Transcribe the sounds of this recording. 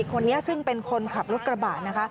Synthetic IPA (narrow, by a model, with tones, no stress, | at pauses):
i˨˩kʰo˧nːi˦˥ɐsɯ˥˩ŋpe˧nkʰo˧nkʰa˨˩p̚ɾo˦˥t̪̚kɾa˧baː˨˩t̪̚na˦˥kʰa˦˥